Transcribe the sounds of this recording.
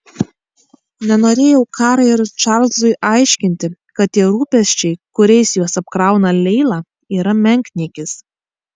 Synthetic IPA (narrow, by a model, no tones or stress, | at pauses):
nʲɛnoːɾʲeːjɛʊkʰɑːɾɐɪɾt͡ʃɑːɾlˠzʊɪʔɑˑɪʃʲkʲɪnʲt̪ʲɪkɐt̪̚t̪ʲiɛɾuːpʲɛsʲt͡ʃʲɛɪkʊɾʲɛɪsjuɔsɐp̚kɾɑˑʊnɐlʲɛɪlˠɑː | iːɾɐmʲɛŋʲkʲnʲiɛkʲɪs